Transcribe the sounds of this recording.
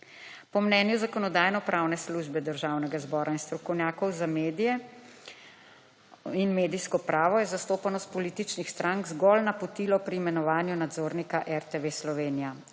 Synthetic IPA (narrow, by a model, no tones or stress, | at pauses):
pɔmnɛːnjuzakɔnɔd̪aːjnɔpɾʔawnɛsluʒbɛd̪əɾʒaːwnɛɡazbɔːɾainst̪ɾɔkɔwnʲjaːkɔwzameːd̪ijɛ | inmeːd̪ijskɔpɾaːʋɔjɛzast̪oːpanɔspɔliːt̪it͡ʃnixst̪ɾʔaŋɡzɡɔlnapɔt̪iːlɔpɾiːmɛnɔʋaːnjunad̪zoːɾnikaʔɛɾt̪eʋeslɔʋeːnija